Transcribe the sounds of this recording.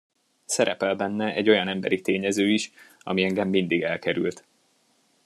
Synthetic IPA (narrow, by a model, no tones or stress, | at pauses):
sɛɾʔɛpɛlbɛnːɛʔɛɟːo̞jɒnɛmbɛɾit̪eːɲɛzøːiʃ | ɒ̰miɛŋɡɛmːind̪iɡɛlkɛɾy̰lt̪